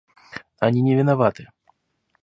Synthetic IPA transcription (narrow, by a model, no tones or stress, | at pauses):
anʲinʲɛvʲinavat̪ɨ